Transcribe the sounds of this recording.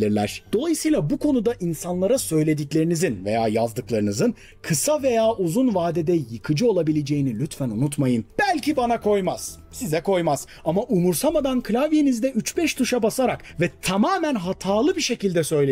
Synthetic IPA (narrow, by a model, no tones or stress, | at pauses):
lʲiɾlʲæ̰ɾ̥d̪̥o̞lˠajɯsɯjlˠabukʰo̞nud̪aʔinsanlˠaɾasø̞jlʲe̞d̪iclʲe̞ɾinizinve̞̰ja̰ːjazd̪ɯklˠaɾɯnɯzɯn | kʰɯsave̞jaːʔuzunvaːd̪ɛd̪ɛjɯkʰɯd͡ʒɯo̞lˠabilʲed͡ʒe̞jinilʲyt̪fænunut̪majɯnb̥ælʲcibanakʰo̞jmaz̥ | sizɛkʰo̞jmaz | amaʔumuɾsamad̪ankʰɯlʲavje̞nizd̪ɛyt͡ʃbɛʃt̪ʰuʃabasaɾak | vɛt̪ʰamaːmænɦat̪ʰaːlˠɯbiʃe̞cilʲd̪ɛsø̞jlʲe